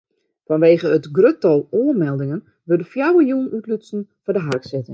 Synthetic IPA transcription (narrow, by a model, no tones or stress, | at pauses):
fɔnʋeːɣəətɡrøtɔlˠoːərmɛlˠdɪŋən | ʋørdəfjawəjuːnytlysn̩fɔdəɦarksɪtɪŋ